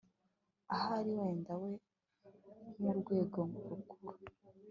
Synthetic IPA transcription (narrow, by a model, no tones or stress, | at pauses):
ahaɾiweːndawe̞ | muɾɡwe̞ːɡoŋuɾuɡuɾa